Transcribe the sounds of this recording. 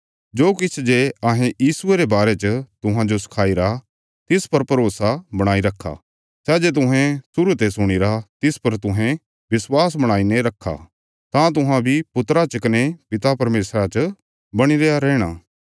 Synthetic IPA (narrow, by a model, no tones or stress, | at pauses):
d͡ʒoːkɪt͡ʃʰd͡ʒeːɐɦẽjiːsʊeɾebaːɾet͡ʃət̪ʊɦãd͡ʒosɪ̥kʰaːiɾa | t̪ɪspɐɾpɐɾoːsabɐɽ̃aːiɾɐkʰːa̰ | sɛːd͡ʒet̪̬ʊɦɛ̃sʊɾut̪esʊɽ̃iɾat̪ɪspɐɾt̪ʊɦɛ̃ | bɪswaːs̬bɐɽ̃aːineɾɐkʰːa̰ | t̪ãt̪ʊɦãbʱipʊt̪ɾat͡ʃɐkɐnepɪt̪apɐɾmeːsɾat͡ʃə | bɐɽ̃iɾejaɾɛːɽ̃aː